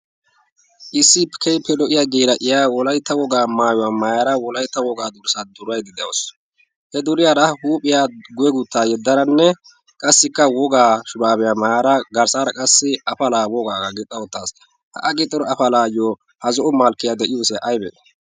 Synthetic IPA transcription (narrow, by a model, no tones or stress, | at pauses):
ʔɪsːɪpkʰɛjpːɛlɔʔɪjaɡiːɾɐʔɪjaːwɔlɐjt̪ːɐwɔɡaːmaːjɔwaːmajaːɾɐwɔlɐjt̪ːɐwɔɡaːd̪ʊɾsad̪ʊɾɐjd̪ɪd̪ɛo̰s | hɛd̪ʊɾɪjaːɾɐhuːpʼːɪjaːɡʊjɛɡʊt̪ːaːjɛd̪ːɐnɐnːɛ | kʼɐsːɪkːɐwɔɡaːʃʊɾaːbɛjaːmaːjaːɾɐɡɐɾsaːɾɐkʼɐsːɪɐfɐlaːwɔɡaːɡɐɡɪt̪ʼːɐɔt̪ːaːs | hɐ̰ʔɐɡɪt̪ʼːɔɾɔɐfɐlaːjɔ | hɐzɔʔʊmaːlkːɪjaːd̪ɛʔɪjuːsɛʔɐjbɛ̰